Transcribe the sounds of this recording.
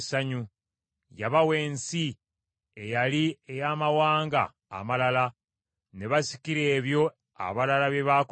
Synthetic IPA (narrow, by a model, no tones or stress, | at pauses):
saɲu | jaβawe̞ːnsi | ejaliejaːmawaːŋɡa̰ː | malala | ne̞βasi̥kiɾe̞ːβjo̞ | a̰βalalaβeβak